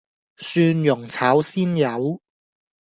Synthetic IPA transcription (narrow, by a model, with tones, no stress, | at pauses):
syː˧njʊ˨˩ŋt͡sʰaː˨˥wsiː˥njɐ˨˧w